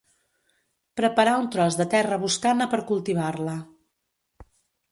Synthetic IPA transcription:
pɾəpəɾaunt̪ɾɔzðət̪ɛrəβuskanəpəɾkulˠt̪iβ̞arlə

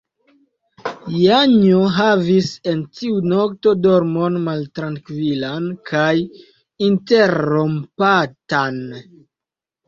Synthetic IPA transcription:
jaɲoɦavise̞ntiuno̞k̚to̞do̞ɾmo̞nmaltɾaŋkvilankʰaj | inte̞ɾompatan

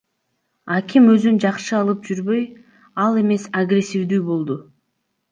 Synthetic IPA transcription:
akʲimø̞zynd͡ʒɑqʃɯɑlˠɯp̚d͡ʒyɾbø̞j | ɑlˠe̞me̞saɡrʲe̞sʲːivd̪yːbo̞lˠd̪ʊ

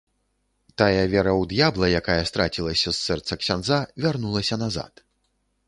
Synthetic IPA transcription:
t̪ajɐvʲɛɾɐwd̪jablˠɐjakajɐst̪ɾat͡sʲilˠɐsʲɐsːɛrt̪sɐksʲand̪zavʲarnulˠɐsʲɐnaza̰t̪

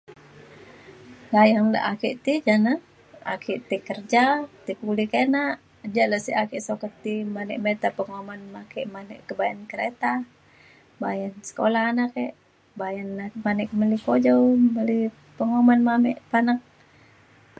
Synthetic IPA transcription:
lajaŋla̰ʔakiʔt̪id͡ʒana | a̰kʰiʔt̪ikərd͡ʒat̪ikulikenaʔ | d͡ʒaʔlasiakiʔsokɔt̪imanɛʔmet̪apəŋomanmakɛʔmanɛ̰ʔkəbajankəɾet̪a | bajansə̥kolanakɛʔ | bajanamanɛkməlikod͡ʒowməli | pəŋomanmamɛʔpanak̚

